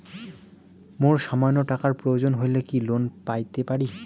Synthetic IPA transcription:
moɹʃamanːoʈakaɹpɹojod͡ʑonɦojlekilonpajt̪epaɾi

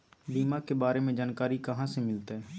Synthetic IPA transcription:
biːmakebaːɾemẽd͡ʒaːnkaːɾikəɦãsemɪlt̪ɦɛː

